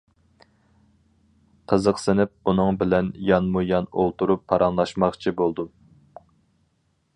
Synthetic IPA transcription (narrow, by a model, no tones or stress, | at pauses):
qʰəzəqsɪnɪp̚unɨŋbɪlɛnjɑnmujɑnolˠt̪ʰuɾupʰːɑɾʔɑnlˠɑʃmɑχt͡ʃʰibolˠd̪u